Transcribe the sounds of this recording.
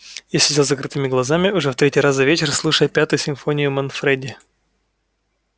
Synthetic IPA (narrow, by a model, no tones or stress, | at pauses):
jasʲɪzʲalˠzɐkɾɨt̪ɨmʲɪɡlˠɐzamʲɪʊʐɛft̪ɾʲetʲijɾaszɐvʲet͡ɕɪrslˠuʂəjpʲat̪ʊjʊsʲɪmfonʲɪjʊmɐnfɾɛdʲɪ